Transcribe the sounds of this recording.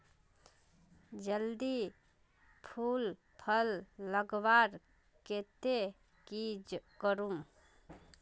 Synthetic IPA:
d͡ʒəld̪i | pʰul | pʰəlːəɡbaɾ | ket̪e | kid͡ʒkəɾum

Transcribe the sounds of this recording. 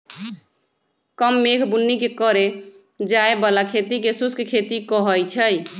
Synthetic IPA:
kəmːekʰbunːikekəɾe | d͡ʒaebəlakʰet̪ikesuskkʰet̪ikəɦəjt͡ʃʰəj

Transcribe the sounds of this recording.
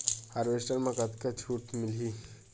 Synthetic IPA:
haːɾʋesʈəlmãkɐt̪kat͡ʃʰuːʈmɪli

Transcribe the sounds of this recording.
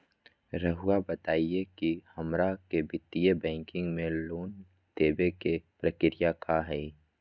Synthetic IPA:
ɾəɦʊabət̪aːiekihɐmɾakebɪt̪ijebɛ̃ːŋkɪ̃ŋɡmẽloːn | d̪̥eːbekepɾəkɪɾɪjakaɦɛː

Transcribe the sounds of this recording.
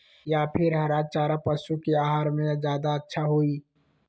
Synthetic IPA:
japʰɪɾɦɐɾaːt͡ʃaːɾapəsukeaːɦaːɾmẽzjaːd̪aətːʃʰaɦoiː

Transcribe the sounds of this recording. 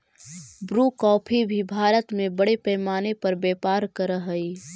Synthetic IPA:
bɾukɔːpʰibʱibʱaːɾət̪mẽbəɽepɛːmaːnepɐɾbɛːpaːɾkəɾəɦəi

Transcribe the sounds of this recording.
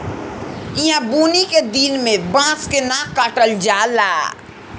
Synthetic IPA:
iɦãbuːniked̪inmẽbãːskenãkːaʈəld͡ʒaːlaː

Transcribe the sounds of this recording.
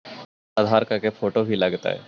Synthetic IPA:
ɐd̪ʱaːɾkɐɾkefʰoːʈobʱilɐɡt̪a̰ɦɛ̰ː

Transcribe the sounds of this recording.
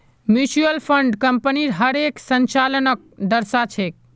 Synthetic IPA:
mjut͡ʃuəlpʰəɳɖkəmpəniɾɦəɾeksənt͡ʃalənək̚d̪əɾsat͡ʃʰek̚

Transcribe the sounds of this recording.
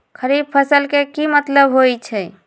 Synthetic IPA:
kʰəɾib̚pʰəsəlkekimət̪ləbɦojt͡ʃʰɛ

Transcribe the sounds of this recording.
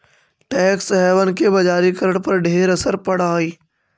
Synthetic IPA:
ʈɛːksɦɛːʋənkebɐd͡ʒaːɾikəɾəɽ̃pɐɾɖʱeːɾɐsəɾpɐɽaːiː

